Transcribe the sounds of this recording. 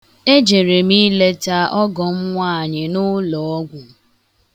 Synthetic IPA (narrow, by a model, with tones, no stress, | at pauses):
e˦d͡ʒe˨ɾe˨mi˦le˦ta˦ʔɔ˦ɡɔ˨m̩˦ŋʷaː˦˨ɲɪ˨nʊ˦lɔ˨ɔ˦ɡʷʊ˨